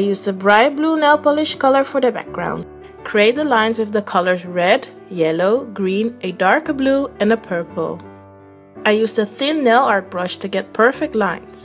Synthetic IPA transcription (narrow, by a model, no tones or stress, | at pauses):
aɪjuzdəbɹaɪbluːnɛlˠpɔlɪʃkʰʌlˠə˞fɔ˞ðəbæ̰k̚ɡ̥ɹã̰ʊ̃nd | kʰɹ̥ieɪt̪̚ðəlãɪ̃nzwɪððəkʰʌlə˞zɹɛd | jɛloʊɡɹĩnʔɨdɑɹkbluɨ̃nəpʰɜ˞pʰl̩ˠ | aɪjuzdəθɪ̃nːɛlˠɑɹt̚b̥ɹʌʃtɨɡɛt̚pʰɜ˞fɪk̚tˡlãɪ̃nz̥